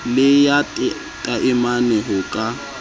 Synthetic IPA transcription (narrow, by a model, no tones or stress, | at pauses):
lɪjatʼɪ | tʼaʔɪmanɛɦʊkʼa